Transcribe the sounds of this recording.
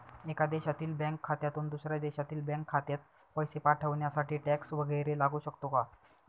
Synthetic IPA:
ekad̪eɕat̪iːlbɛ̃ŋkʰːat̪jat̪uːnd̪usɾjad̪eɕat̪iːlbɛ̃ŋkʰːat̪jat̪̚ | pəjsepaʈʰəʋɳjasaʈʰiːʈɛksʋəɡəjɾelaɡuːɕəkt̪oka

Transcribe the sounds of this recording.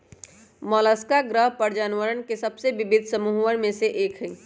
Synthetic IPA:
mɔləskaɡɾəɦpəɾd͡ʒaːnʋəɾənkesɐbseʋɪbɪd̪ʱsəmuːɦənmẽseʔeːkɦi

